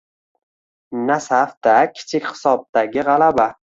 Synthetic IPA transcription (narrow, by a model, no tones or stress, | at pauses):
nasafd̪akʲʰɪ̥t͡ʃʰɪkʲχɪ̥sɒb̚d̪aɡʲɪʁalaba